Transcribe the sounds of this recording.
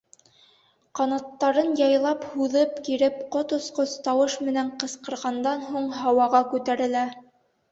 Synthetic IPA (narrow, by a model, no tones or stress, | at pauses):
qɑnɑt̪ːɑɾɤnjɑjlˠɑphuðɤpkiɾɘp̚qot̪ŏsqost̪ɑwɤʃmɘ̆næɴqɤ̆sqɤ̆ɾʁɑnd̪ɑnɦuɴɦɑwɑʁɑkʉt̪æɾɘ̆læ